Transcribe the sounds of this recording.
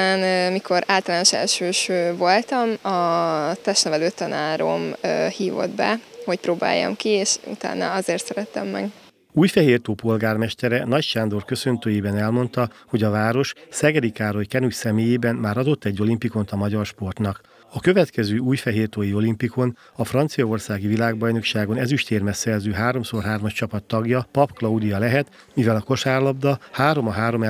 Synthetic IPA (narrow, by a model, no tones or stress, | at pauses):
aːnmikʰo̞ɾaːlt̪ɒlaːnoʃɛ̰lʃøːʃøːvo̞lt̪ɒmɒt̪ɛʃnɛvɛløːt̪ːɒnaːɾo̞̰mhiːvo̞̰d̪bɛ̰ho̞cpɾoːba̰ːjːɒ̰mkieːʃṵt̪a̰ːnɒ̰ɒzeːrt̪sɛɾɛt̪ɛ̰mːɛ̰ɡ | uːjfɛɦeːrt̪oːpo̞lɡaːrmɛʃt̪ɛɾɛnɒcʃaːnd̪o̞rkø̞sønt̪øːjeːbɛnɛlmo̞n̪t̪ɒho̞ɟɒvaːɾo̞ʃsɛɡɛɾikaːɾo̞jkɛnucsɛmeːjeːbɛnːmaːɾɒd̪o̞t̪ːɛɟːo̞limpiko̞nt̪ɒmɒɟɒrʃpo̞rt̪nɒk | ɒkø̞vɛt̪kɛzøːuːjfɛɦeːrt̪oːjio̞limpiko̞n | ɒfrɒnt̪sijɒo̞rsaːɡivilaːɡbɒjno̞kʃaːɡo̞nɛzyʃt̪eːrmɛsɛrzøːɦaːɾo̞msorɦaːrmɒʃt͡ʃɒpɒt̪ːɒɡjɒpɒpklɒud̪ijɒlɛɦɛt̪ | mivɛlɒko̞ʃaːrlɒbd̪ɒhaːɾo̞mɒɦaːɾo̞m